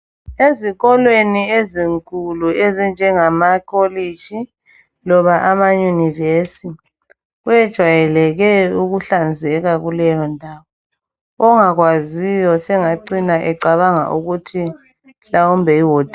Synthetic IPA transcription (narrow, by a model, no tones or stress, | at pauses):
eziɣɔlwenieziŋkʰʼuluezind͡ʒʱɛŋamakʰoli̥ʒ̥ʱi | lɔβaʔamajunivesi | ɣujɛd̥ʒ̥ʱwajɛlɛɣɛuɣuɬand͡zʱɛɣaɣulɛjɔndʱaβɔ | ɔŋaɣwazijɔsɛŋaǀinaʔɛǃaβaŋa̰ʔuɣutʰi | ɬawumbʱɛiwoːd̥ʱi